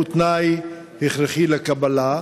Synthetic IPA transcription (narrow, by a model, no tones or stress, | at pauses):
ut̪naj | heχɾeχilekabala